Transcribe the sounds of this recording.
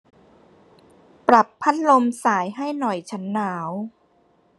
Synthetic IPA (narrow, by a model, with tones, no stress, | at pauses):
pɾa˨˩pʰːa˦˥t̪̚lo˧msaː˩˦jɦa˥˩jnɔ˨˩jt͡ɕʰa˦˥nːaː˩˦w